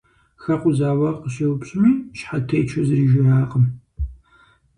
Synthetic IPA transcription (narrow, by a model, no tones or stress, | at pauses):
xɐqʷʼʊzaːwɐqʼəʃɐwʊpɕʼɨmiːʃħatʰeːjt͡ʃʰɐzɨriːʒɪraːqəm